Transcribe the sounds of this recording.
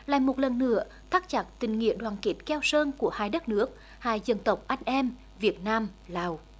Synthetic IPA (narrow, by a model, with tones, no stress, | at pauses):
la̰ː˧˨jmo˨˩t̚lə˨˩nːɨ̰˧˥ə | t̪ʰaː˦˥k̚t͡ɕa˨˩t̚t̪ï˨˩ŋ̟ŋḭ˧˨əɗwaː˨˩nki˨˦˥t̚kɛ˧wsəː˧nku˧˩əhaː˧jɗə˦˥t̚nɨ˦˥ək̚ | haː˧jzə˧nt̪ə˨˩wk͡p̚ʔa˧jŋ̟ʔɛ˧m | vi˨˩ət̚naː˧mlaː˨˩w